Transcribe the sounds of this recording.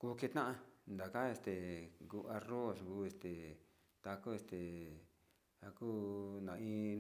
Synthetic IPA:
ku˦˧ke˧t̪nã˦ʔã˧nd̪a˨ka˦e˧st̪e˨ɡu˧a˧ro˦˨sɡu˧˦e˧st̪e˨ | t̪a˧ko˦e˧st̪e˨ | a˧ku˦nã˨ĩ˧

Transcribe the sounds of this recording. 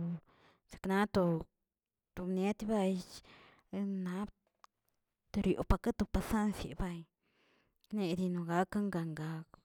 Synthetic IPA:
sḁ˨kna˦t̪o˧ | t̪u˧ne˦t̪ʲba˧j | na˦b | t̪o˧ɾjo̰˨pa˧ka˦t̪o˧pa˧sa˦nsḭ˨ba˧j | ne˧d̪i˧no˨˧ɡa˧˦ka˦ŋɡa˧˨ŋɡa˧k

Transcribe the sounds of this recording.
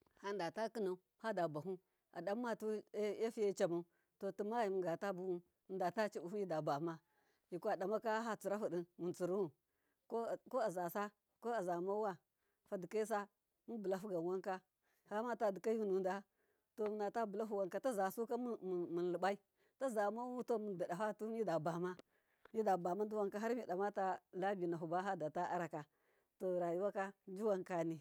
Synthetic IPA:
ha˦n˦da˨ta˦ki˦na˨u˦ | ha˦da˨ba˨ɦu˦ | a̰˨ɗa˨mː˦a˦tu˦a˦fi˦ja˦t͡ʃa˨ma˨u˦ | to˨tu˨ma˦i˨mu˨ɡa˨ta˦bu˦wu˦˨ | nda˨ta˦t͡ʃi˦bu˨hu˦i˦da˨ba˨ma˦ | ji˨ku˦a˨da˨ma˦ka˦ɦa˦t͡su˨ɾa˦fu˨ɗi˦nmu˨t͡su˨ɾu˦wu˨ | ko˦˨ko˦a˨za˨sa˦ | ko˦a˨za˨ma˦wa˦ | fa˦di˨ka˦i˦s̬a˦ | mu˦bu˨la˦fu˦ɡa˨n˨wa˦ŋka˦ | ha˦ma˦ta˨di˨ka˦ju˦nu˨n˦da˨˦ | to˨mu˨na˨ta˦bu˨la˦ɦu˨wa˦ŋka˦ta˦za˨su˦ka˦m˦˨mu˨n˨li˨ba˦i˦ | ta˦za˨ma˦u˦to˦mu˨nda˨da˨fa˦tu˦mi˦da˨ba˨ma˦ | mi˦da˨ba˨ma˦ndu˦wa˦ŋka˦ɦa˦ɾmi˨da˨ma˦ta˦la˦bi˨na˨ɦu˨ba˦ɦa˦da˨ta˦ʔa˦ɾa˨ka˨ | to˨ɾa˨ji˦wa˦ka˦d͡ʒu˦wa˦ŋka˨ni˨

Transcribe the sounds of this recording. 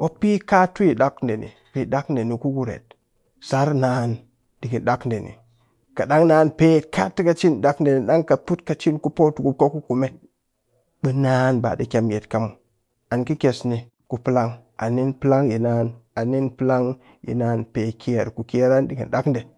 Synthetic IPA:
wo˦pi˦ka˦tu˦ji˨da˦knde˨nḭ˨pi˨ɗa˦knde˨ni˨ku˦ɡu˨ɾḛ˨t̚ | sa˦ɾna˦n | di˨ɡi˨nɗa˦knde˨nḭ˨ | ka˨ɗa˦ŋnaː˦npe˦tka̰˦ti˦ka˦t͡ʃi˦nɗa˦knde˨ni˨ɗa˦ŋka˨pu˦tka˨t͡ʃi˦nku˦po˦tu˨ku˨ko˦ku˦ku˨me˦ | ɓɨ˦na˦nba̰˨di˦kʲe˦mje˨tka˨mu˨ | a˨nki˦kʲe˨sni˨ | ku˨pɨ˦la˦ŋʔa̰˨ni˦npɨ˦la˦ŋji˨na˦na˨ni˦npi˦la˦ŋ | jḭ˨na˦npe˨kʰi˦je˨ɾku˨ki˦ɾa˦ndi˨ɡḭ˨nɗa˦knde˨

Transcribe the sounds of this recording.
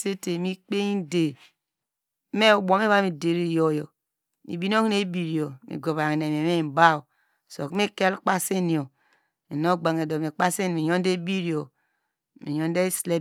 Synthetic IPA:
se˦te˨mi˦k͡pe˦i˦de˨˦ | me˦˨bo˨˦mi˦βa˦mi˨de˨ɾi˦˨jo˦˨jo˨ | mḭ˨bi˨˦n˦o˦ŋi˦ne˦bi˨ɾjo˨mḭ˨ɡo˨βa˨ŋ˨ne˨me˨˦e˦˨m˨ba˦u˨ | so̰˨kmi˦ke˦lk͡pa˦se˦ni˨o˨ | mi˨no˦ɡ͡ba˨ŋe˨do˨mi˨k͡pa˦se˦n˨mi˨ɲo˦n˦de˦bi˦ɾi˨o˨ | mḭ˨ɲo˦n˦de˦sle˦

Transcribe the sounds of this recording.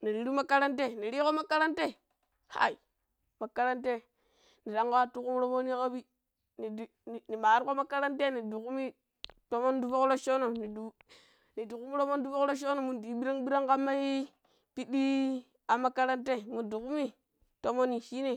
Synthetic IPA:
ni˨ɾi˨ɾi˦ma˦ka˦ɾa˦nte˦˨ni˨ɾi˦ko˦ma˦ka˦ɾa˦nte˦˨ | ha̰˨i˨ | ma˨ka˦ɾa˦nte˦ | ni˨ɾa˦ŋka˦a˦tu˦ku˦m˦ɾo˦mo˦ni˦ka˦bi˦ | ni˨d | ni˨ma˨˦ɾko˦ma˦ka˦ɾa˦nte˦ni˨du˨ku˦mi˦ | to˦mo˦ndu˦fo˦kɾo˦ʃo˦no˨ni˨du˨ | ni˨du˨ku˦mi˦ɾo˦mo˦n˦du˦fo˦kɾo˦ʃ̬o˦no˨mu˨di˨ɓi˦ɾa˦ŋɓi˦ɾa˦ŋka˦mːa˦hi˦ | pi˦ɗi˦ | a˨ma˦ka˦ɾa˦nte˦˨mu˨du˨ku˦mi˦ | to˦mo˦ni˨ʃi˦ni˦˨

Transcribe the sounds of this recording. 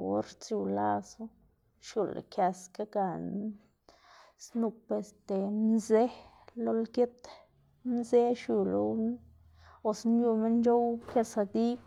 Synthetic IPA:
o̰˦ɾt͡sju˧la˦˧su˦ | ʃju˧l̰kja˧ska˦ɡa˧˨ | snu˧pe˧˨st̪e˨nze˦ | lo˦lɡe˦t̪ | nze˦ʃju˧lo˧˦w | o˧snju˧me˦nd͡ʒo˦wkʲa˧sa˧d̪i˦

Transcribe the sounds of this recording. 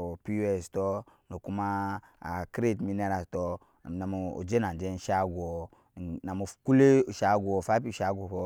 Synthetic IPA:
pi˦u˦ɛ˨sto˦no˨ku˦ma˦a̰˨kɾe˦˨tmi˦ne˦ɾa˨sto˦˨ | na˨mo˨o̰˨d͡ʒe˦na˨nd͡ʒe˦n˦ʃa˦ɡo˨ | na˨mo˨ku˦le˦˨ʃa˦ɡu˨o˨fa˦pi˦˨ʃa˦ɡo˨ho˦

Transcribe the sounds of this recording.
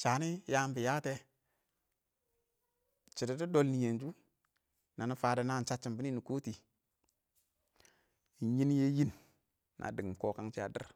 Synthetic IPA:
t͡ʃa˨ni˦ja˦m˦bi˨ja˦te˦ | t͡ʃi˨di˨di˦do˦lni˨je˨nd͡ʒu˦ | na˨ni˦faː˨da˨na˦˨t͡ʃa˦t͡ʃːi˨mbi˦ni˦ni˨ko˦ti˨˦ | ji˦n˦je˦ji˦nː | ʔa̰˨di˨ŋ˨m˨ko˨ka˦ŋt͡ʃi˦a̰˨dḭ˦ɾ

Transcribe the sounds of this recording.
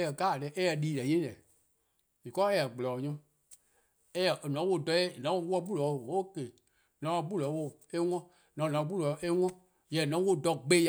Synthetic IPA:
jɛ˨ɡaː˦˨lɛ˨˦ʔɛ˦jɛ˧˨liː˦lɛ˨jẽ˦lɛ˨ | i˨kɔ˦ɛ˦jɛ˨ɡ͡blɔː˨ɲũ˦ | ɛ˦jɛ˨o˨nɔ̃˨˦wo˧˦˨dɔ˧˦e˦˨nã˨˦o˦wɔ˦bu˦lɔ˨˦o˨wo˦˨ke˨ | nã˨˦ã˧˦bu˦lɔ˨˦wo˧˨e˦ŋɔ̃˦ | nã˨ã˨˧bu˦˨lɔ˨ʔe˦ŋʷɔ̃˦ | jɛ˨nɔ̃˨˦wo˦˨dɔ˧˨ɡ͡be˦j

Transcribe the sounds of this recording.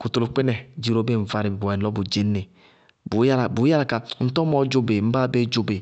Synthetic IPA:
ku˨to˨lu˨k͡pe˦nɛ˨d͡ʒi˨ɾo˨˦be˦˨ɱ̩˨va˨ɾi˨bbo˨ɛ˨lɔ˦bu˨d͡ʒe˦ne˨ | bu˨˦ja˦la˨bu˨˦a˦la˨ka˨˦n̩˦tɔ˦mɔ˨d͡ʒo˦be˨m̩˦ba˦be˦d͡ʒo˨be˨

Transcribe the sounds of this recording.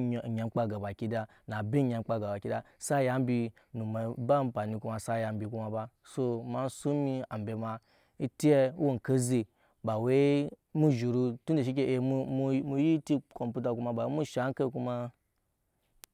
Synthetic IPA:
ɲa˨m̩˦k͡pa˧ɡa˨ba˨ki˦da˧ | na˨be˦ɲa˨m̩˦k͡pa˧ɡa˨ba˨kʲi˦da˨ | sa˦˨ja˦m˦bi˧ | nu˨ma˨˦ba˦m̩˦pa˨ni˨ku˦ma˨sa˦ja˨m˦bi˨ku˧ma˨ba˧ | so˧ma˨˦n˦su˦mi˦a˨m˨bʲe˨ma˨ | i˦ti˦e˦wo˦ŋ̩˨ke˦ze˨ | ba˨we˦mu˦ʒu˨ɾu˧tu˦n˦de˨ʃi˦k̬ʲe˦ʔe˨m˦mu˧mu˦ji˦ti˦ko˨mpʲu˦t̬a˨ku˦ma˧ba˨˦mu˦ʃa˨˦ŋ̩˦ke˦ku˦ma˧

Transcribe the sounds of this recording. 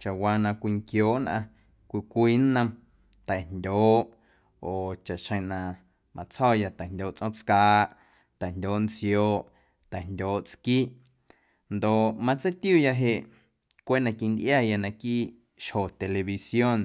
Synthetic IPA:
t͡ʃa˨ʔwaː˧nã˧kʷiː˧ŋkjoː˨˦ʔnʔã̰˧ | kʷi˧kʷiː˦n˦nːə̃˧m | t̪ɛ˨ndʲoː˨˦ʔ | oː˨t͡ʃa˨ʔʃə̃˧˨nã˧ | mʔã̰˧t͡shɔː˦˨ja˧t̪ɛ˨ndʲoː˨ʔt͡sʔõ˦t͡skaː˦˧˦ʔ | t̪ɛ˨ndʲoː˨˦ʔnt͡sjoː˨˧˦ʔ | t̪ɛ˨ndʲoː˨˦ʔt͡skiː˦ʔ | nd̪o˨ʔmã˧t͡se˦t̪ju˦˨ja˧ɦe˧ʔ | kʷe˦nã˧ki˧nd̪ʔjaː˦˨ja˧nã˧kiː˦ | ʃho˨t̪e˨le˨βi˧sjo˦n

